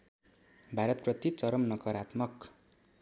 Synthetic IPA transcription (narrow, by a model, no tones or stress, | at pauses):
bʱaɾʌt̪prʌt̪it͡sʌɾʌmnʌkʌɾat̪mʌk